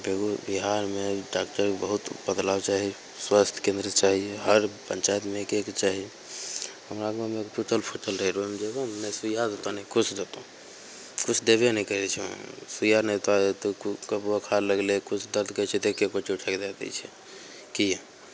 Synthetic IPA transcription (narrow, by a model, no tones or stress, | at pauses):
beɡubiɦaɾmeɖak̚ʈəɾkbəɦut̪bəd̪labt͡ʃaɦi | swast̪ʰkẽnd̪ɾət̪t͡ʃaɦiɦəɾpənt͡ʃajt̪mekekt͡ʃaɦi | həmɾaɡomekpuʈəlpʰoʈəlɾəɦɛɾomd͡ʒeɡomesujad̪ot̪anɛikut͡ʃʰd̪et̪o | kut͡ʃʰd̪ebnəikəɾɛt͡ʃʰṵ̃sujanɛt̪at̪kəbuakʰaləɡlekut͡ʃʰd̪əɾd̪ɡət͡ʃʰɛd̪ekʰːekot͡ʃʰeuʈʰakd̪ad̪ɛ̰t͡ʃʰɛ | ki